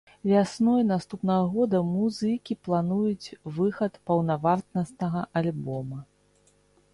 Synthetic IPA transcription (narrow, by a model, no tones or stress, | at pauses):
vʲasnɔjnast̪upnɐɣɐɣɔd̪ɐmuzɨkʲiplˠanujut͡sʲvɨxɐt̪pɐwnavart̪nɐst̪nɐɣɐʔalʲbɔmɐ